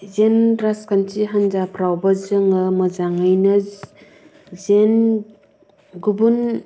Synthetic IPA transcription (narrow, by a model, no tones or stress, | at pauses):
zenɾaskant͡ʃiɦanzapʰɾawbɐzɯŋɯmɐzaŋajnɯ | zen | ɡubun